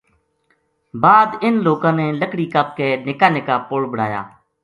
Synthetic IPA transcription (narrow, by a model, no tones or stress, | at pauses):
baːd̪ɪnloːkãːneːləkɽiːkəp̚keːnɪkaːnɪkaːpoːɽbəɽa̰ːja̰ː